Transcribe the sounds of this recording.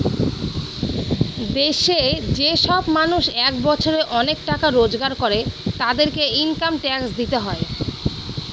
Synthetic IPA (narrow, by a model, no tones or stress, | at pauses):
d̪eʃed͡ʑeʃɔbmanuʃɛk̚bɔt͡ɕʰoɾeʔɔnekʈakaɾod͡ʑɡaɾkoɾet̪ad̪eɾkeinkamʈɛksd̪it̪eɦɔe